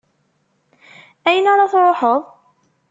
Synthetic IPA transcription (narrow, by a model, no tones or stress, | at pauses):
æjənaɾˤɑθɾˤoħəðˤ